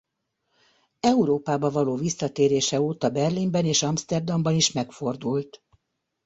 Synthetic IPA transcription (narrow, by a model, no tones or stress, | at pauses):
ɛuɾoːpaːbɒvɒloːvisːɒt̪eːɾeːʃɛoːt̪ɒbɛrlimbɛneːʃɒmst̪ɛrd̪ɒmbɒniʃmɛkfo̞rd̪ult̪